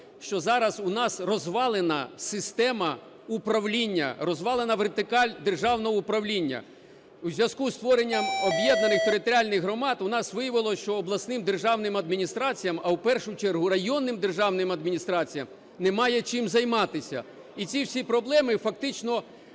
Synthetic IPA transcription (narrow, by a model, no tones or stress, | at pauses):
ʃt͡ʃɔzɑɾɐsʊnɑsrɔzʋɑlˠenɐsɪst̪ɛmɐ | upɾɐwlʲinʲːɐ̰ɾɔzʋɑlˠenɐʋert̪ɪkɑlʲd̪erʒɑwnɔɦɔupɾɐwlʲinʲːɐ̰ | uzʲʋʲjɐskust̪ʋɔɾenʲːɐmɔbjɛd̪̚nɐnɪxt̪eɾɪt̪ɔɾʲɪalʲnɪɣɦɾɔmɑt̪ʊnɑsʋɪjɐʋɪlˠɔʃt͡ʃɔːblˠɐsnɪmd̪erʒɑwnɪmɐd̪mʲinʲist̪ɾɑt͡sʲijɐmɐwpɛrʃʊt͡ʃɛrɦʊɾɐjɔnːɪmd̪erʒɑwnɪmɐd̪̚mʲinʲist̪ɾɑt͡sʲijɐm | nɛmɑjɛt͡ʃɪmzɐjmɑt̪ɪsʲɐ̰ | it͡sʲiwsʲipɾɔblˠɛmɪfɐk̚t̪ɪt͡ʃnɔ